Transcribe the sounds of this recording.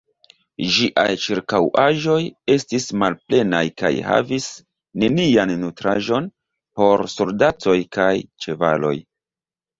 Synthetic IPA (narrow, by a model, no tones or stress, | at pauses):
d͡ʒiʔa̰jt͡ʃiɾkawʔaʒo̞je̞stismalple̞najka̰jha̰vis | ne̞nianːutɾaʒo̞n | po̞ɾsoldat͡so̞jkajt͡ʃe̞va̰lo̞̰j